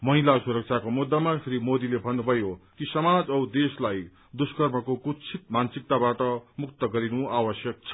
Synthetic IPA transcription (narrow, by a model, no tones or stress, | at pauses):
mʌɦilasuɾʌk̚t͡sʰakomud̪ːamasʰɾimod̪ilebʱʌnːʌbʱʌjokisʌmad͡zʌwd̪eslaj | d̪uskʌrmʌkokut͡sʰit̪̚mansik̚t̪abaʈʌmuk̚t̪ʌɡʌɾinuawʌsjʌk̚t͡sʰʌ̥